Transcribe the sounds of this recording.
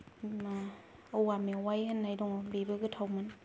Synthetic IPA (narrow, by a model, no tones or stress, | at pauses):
ma | owamiwajhenːajduŋbibɯkɯt̪ʰawmɯn